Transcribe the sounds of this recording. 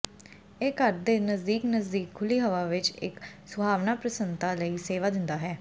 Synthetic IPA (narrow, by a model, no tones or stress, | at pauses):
eːkəɾd̪eːnəzd̪iːknəzd̪iːkʰːʊliːɦəʋaːʋɪt͡ʃɪ̰ksʊbʱaːʋnaːpɾəsənt̪aːləiːseːʋaːd̪ɪnd̪aːɦɛː